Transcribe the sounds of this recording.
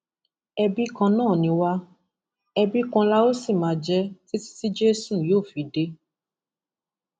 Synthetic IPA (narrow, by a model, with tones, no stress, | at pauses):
ɛ˧bi˦kã˧nãː˦˨nĩ˧˦wa˦ | ɛ˧bi˦kã˧la˦o˦si˦˨mãː˨˧˦d͡ʒɛ˦ti˦ti̥˦ti˦d͡ʒe˦sũ˦˨joː˦˨fi˨˦de˧˦